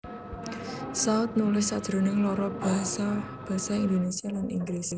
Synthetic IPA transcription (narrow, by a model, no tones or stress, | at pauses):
saʊt̪̚nulɪssad̥ʒ̥ɾo̤nɪŋlɔɾɔb̥a̤ɦasa | b̥a̤saind̪onesialanḭŋɡlisi